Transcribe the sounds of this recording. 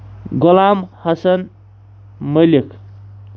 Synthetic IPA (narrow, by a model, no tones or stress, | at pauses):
ɡʊlamhɐsən | məlikʰ